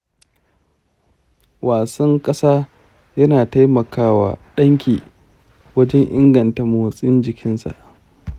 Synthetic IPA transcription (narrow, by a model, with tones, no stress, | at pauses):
waː˨sɐ˦ŋkʼɐ˦saː˦ | jɐ˦naː˨ta˦jmɐ˨kʰaː˦wa̰ː˨ɗɐ˦ŋkʲiː˨ | wɐ˦d͡ʒɛ˦ŋʔɪ̰˦ŋɡɐ˨nta˨moː˨sʼɪ˦nd͡ʒɪ˨kʲʰɪ˦nsa̰˨ʔ